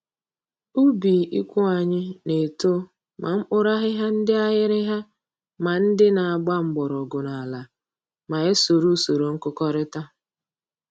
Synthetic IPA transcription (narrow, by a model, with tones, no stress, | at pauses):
u˦bi˨ʔḭ˦kʷʊ˦a˨ɲɪ˦ne˨to˦ | mʔa̰˨m̩˦k͡pʊ˦ɾa˦ɦɪ˦ɦa˦n̩˦dɪ˦a˦ɣɪ˦ɾɪ˦ɦa˦ | ma˨n̩˦dɪ˦na˨a˨ɡ͡ba˦ŋ͡m̩˨ɡ͡bɔ˨ɾɔ˨ɡʊ˨na˨la˨ | ma˨e˦so˨ɾu˦so˨ɾo˨ŋ̩˦kʊ˦kɔ˦ɾɪ˦ta˦